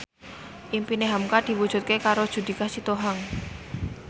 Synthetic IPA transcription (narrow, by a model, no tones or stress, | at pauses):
ʔimpineɦamkad̪̥i̤wud̥ʒ̥ṳt̪̚kekaɾod̥ʒ̥ṳd̪̥i̤kasit̪oɦaŋ